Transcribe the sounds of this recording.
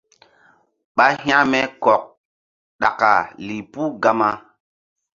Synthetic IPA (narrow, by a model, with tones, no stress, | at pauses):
ɓa˦hĩ˦ã˦mɛ˦kɔ˨k̚ | ɗa̰˨ka˨li˨pu˦ɡa˦ma˦